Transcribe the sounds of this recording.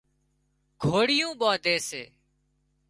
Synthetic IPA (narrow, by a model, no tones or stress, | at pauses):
ɡ̥ʱoːɽɪjũːɓaːd̪eːsḛː